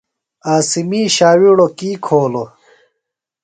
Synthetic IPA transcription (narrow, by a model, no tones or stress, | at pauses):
aːsimiːɕaːwiɽokiːkʰoːlo